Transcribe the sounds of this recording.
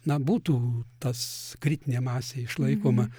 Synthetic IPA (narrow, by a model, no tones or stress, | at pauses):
nɐbuːt̪uːt̪ɐskɾʲɪt̪ʲɪnʲeːmɑːsʲeːɪʃlˠɐɪkoːmɐ